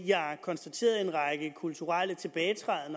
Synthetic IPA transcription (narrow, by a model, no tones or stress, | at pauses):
jɑ̈kʰɒ̽nsd̥æt͡sʰe̝̰ːɐð̩ˠe̝nʁɑɡ̥əkʰult͡sʰuʁal̰ət͡sʰe̝b̥ɛːɪt͡sʰʁɛðˠən